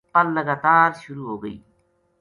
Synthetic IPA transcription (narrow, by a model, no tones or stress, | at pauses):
pɐllɐɡaːt̪aːɾʃʊɾuːɦoːɡɐ̰ḭː